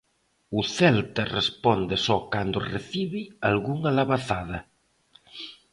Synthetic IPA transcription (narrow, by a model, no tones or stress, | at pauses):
ʊθɛlt̪ɐrespɔnd̪ɪsɔkand̪ʊreθiβialɣuŋalaβaθaðɐ